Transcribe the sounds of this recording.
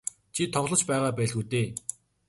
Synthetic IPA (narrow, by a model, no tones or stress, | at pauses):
t͡ɕʰit̪ʰɔχɮɞ̆t͡ɕpæːʁaːpæːɮɣuːt̪eː